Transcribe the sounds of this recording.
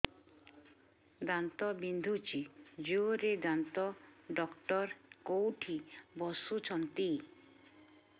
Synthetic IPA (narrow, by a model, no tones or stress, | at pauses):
ɡ̪ant̪ɔbind̪ʱut͡ʃid͡ʒuoɾeɡ̪ant̪ɔɖɔkʈɔɾkowʈʰibɔsut͡ʃʰɔnt̪i